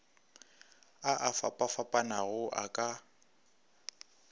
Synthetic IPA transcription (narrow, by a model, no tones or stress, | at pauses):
aʔafa̰pʼafapʼanaɣʊʔa̰kʼa